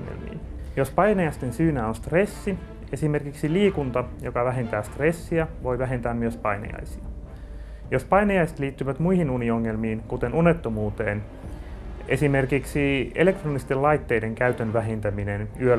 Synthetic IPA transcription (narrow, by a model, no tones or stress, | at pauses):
ŋḛlmḭːjospɑjnejɑst̪ensyːnæːonst̪resːi | e̞sime̞rkiksiliːkunt̪ɑjo̞kɑʋæɦent̪æːst̪resːiɑʋo̞jʋæɦe̞nt̪æːmmyøspɑjnɑ̰jɑ̰jsiɑ | jospɑjnɑjɑjse̥t̪liːt̪ːyʋæt̪muihinunio̞ŋːelmiːnkut̪enunet̪ːomuːt̪eːn | esime̞rkiksiele̞k̚t̪roːnist̪ellɑjt̪ːeːjde̞ŋkæyt̪ønʋæɦent̪æminenyø